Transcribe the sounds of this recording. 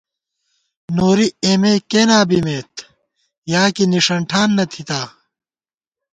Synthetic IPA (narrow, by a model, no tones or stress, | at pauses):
noːɾieːmeːkeːnaːbimeːt̪ | jaːkiniʂɐɳʈʰaːnːɐt̪ʰit̪aː